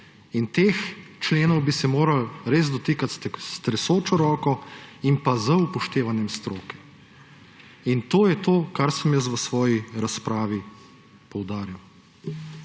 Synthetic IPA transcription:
int̪eːxt͡ʃleːnɔwbisɛmoːɾalɾeːzd̪ɔt̪ikat̪st̪ɾɛsoːt͡ʃɔɾɔːkɔimpazəupɔʃt̪eːʋanjɛmst̪ɾoːkɛ̥ | int̪oːjɛt̪oːkaɾsəmjəst̪ʋəsʋɔːjiɾaspɾaːʋi | pɔwd̪aːɾiw

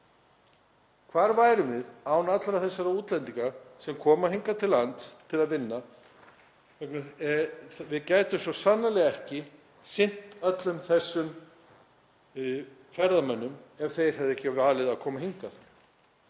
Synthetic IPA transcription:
kʰvaːɾvaːjɾʏmvɪðaːwnat̪laɾaθɛsːaɾauːt̪lɛnt̪iŋkasɛmkʰɔːmahiŋkat̪ʰɪlant̪t̪ʰːɪlaðvɪnːa | kʰvɛknʏɾ | vɪðcaːjt̪ʏmsɔsanːalɛɣaɛhcɪ | sɪn̥t̪œt̪lʏmθɛsːʏm | fɛɾðamɛnːʏmɛv̥θejɾ̥ɦɛvðɛhcɪvaːlɪðaðkʰɔːmaɦiŋkaθ

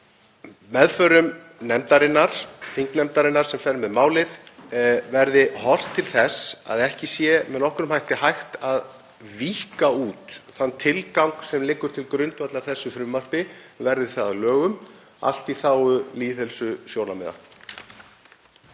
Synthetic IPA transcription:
mɛðfœɾʏm | nɛmt̪aɾɪnːaɾ̥fiŋknɛmt̪aɾɪnːaɾ̥sɛmfɛɾmɛðmaːwlɪθ | vɛɾðɪhɔr̥t̪ʰːɪlθɛsa̰ðɛhcɪsjɛmɛðnɔhkʏɾʏmhajht̪ɪhajxt̪að | viːhkauːt̪θanːt̪ʰɪlkawŋksɛmlɪkːʏɾt̪ʰɪlkɾʏɥnt̪vat̪laɾ̥θɛsːʏfɾʏmːar̥pɪvɛɾðɪ̥θaðalœːɣʏm | a̰l̥t̪iθaːwʏliːθɛlsʏsjoːwnamɛða̰

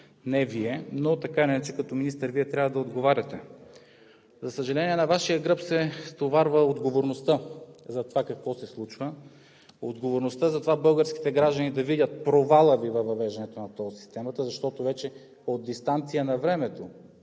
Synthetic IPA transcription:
nɛviɛnot̪ɐkanɛat͡ʃɛkɐt̪ɔminist̪əɾviɛt̪ɾʲavəd̪ɐod̪ɡovaɾʲɐt̪ɛ | zɐsəʒɐlɛniɛnɐvaʃijəɡɾɤpsɛst̪ovaɾvəod̪ɡovoɾnost̪əzɐt̪ovakɐkvɔsɛslˠut͡ʃvə | od̪ɡovoɾnost̪əzɐt̪ovabɤlˠɡəɾsk̟i̥t̪ɛɡɾaʒd̪ənid̪ɐvidʲət̪̚pɾovalˠəvivɐvɐvɛʒd̪ɛnɛt̪onɐt̪ɔsi̥st̪ɛmət̪əzɐʃt̪ɔt̪ovɛt͡ʃɛ | od̪ːist̪ant̪sijənɐvɾɛmɛt̪o

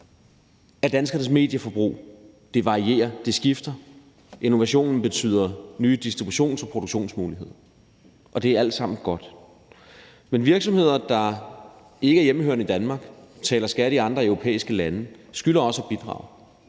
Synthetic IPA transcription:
æɐd̥ænsɡ̥ɐnəsme̝̰ːd̥jəfɒ̽b̥ʁṵː | d̥e̝ʋɑ̈ʁie̝̰ːɐd̥e̝sɡ̥ifd̥ɐ | ʔe̝no̝ʋæɕo̝̰ːnn̩b̥e̝t͡sʰy̰ːð̰ˠɐnyːd̥isd̥ʁibuɕo̝̰ːnsɒ̽pʰʁo̝do̝ɡ̥ɕo̝̰ːnsmuːliɦe̝ð̞̰ˠɐ | ʔɒ̽d̥e̝ææl̰d̥sɑ̈m̰n̩ɡ̥ɒ̽d̥ | menʋiɐɡ̥sɒ̽mhe̝ð̰ˠɐd̥ɑ̈ | e̝ɡ̥əæɐjem̩høɐnəid̥ænmɑ̈ːɡ̥t͡sʰɛːlɐsɡ̥æɾ̥əiɑ̈nd̥ʁɐœʊʁo̝pʰḛːisɡ̥əlænəsɡ̥ylɐɒ̽sɒb̥id̥ʁɑ̰̈ʊ

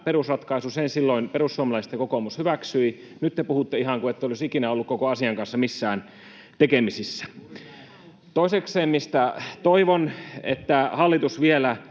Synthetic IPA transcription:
peɾusrɑt̪kɑisusensilːoinperusːuomɑlɑˑist̪ekokomushyʋæksyi | nyt̪ːepuhut̪ːeihɑŋkuet̪ːeolisikinæolːukkokoɑsiɑŋkɑnsːɑmisːæːn | t̪ekemisisːæ̥ | t̪oisekseːmmist̪æt̪oiʋonḛt̪ːæhɑlːit̪usʋielæ

